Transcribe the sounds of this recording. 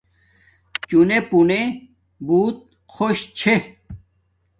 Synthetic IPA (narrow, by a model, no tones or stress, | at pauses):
t͡ɕunepune | buːt̪̚ | xʰoɕt͡ɕʰe